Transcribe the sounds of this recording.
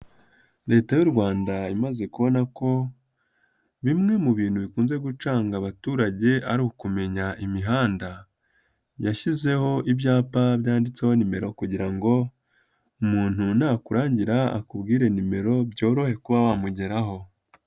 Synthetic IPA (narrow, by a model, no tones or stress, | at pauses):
ɾe̞ːtajuɾɡwaːndaimaze̞kuβo̞nako̞ | βimŋe̞muβiːn̥huβikuːnze̞ɡut͡ʃaːŋɡaβatuːɾaɟe̞ʔaɾihokume̞ɲaʔimiɦaːnda | jaʃize̞ho̞ʔibjaːpabjaːndit͡seho̞nime̞ɾo̞kuɟiɾaŋɡo̞ | umuːn̥hunakuɾaːɲɟiɾaa̰kubɡiːɾe̞nime̞ɾo̞bɟo̞ːɾo̞he̞kuβawamuɟe̞ɾaɦo̞